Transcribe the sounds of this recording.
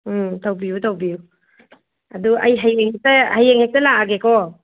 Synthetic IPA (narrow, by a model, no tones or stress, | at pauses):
tʰawbiutʰawbiju | ɐduʔɐ̰jɦajeŋhek̚tɐhajeŋhek̚tɐlaaɡekɔ